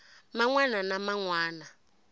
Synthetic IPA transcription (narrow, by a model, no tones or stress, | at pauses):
maŋwananamaŋwaːna